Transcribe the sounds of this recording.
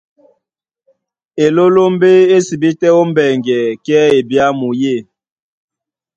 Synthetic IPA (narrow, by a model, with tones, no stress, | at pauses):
e˨lo˦lo˦m˦be˦e˦si˨bi˦tɛ˦o˦m˦bɛ˨ŋɡɛ˨kɛ˦e˨bja˦mu˨je˦˨